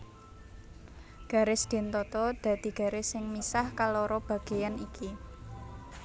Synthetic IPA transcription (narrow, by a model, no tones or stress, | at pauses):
ɡ̥a̤ɾɪsd̪̥e̤nt̪ɔt̪ɔd̪̥ä̤d̪̥i̤ɡ̥ä̤ɾɪsɪŋmisahkalɔɾɔb̥ä̤ɡ̥e̤janiki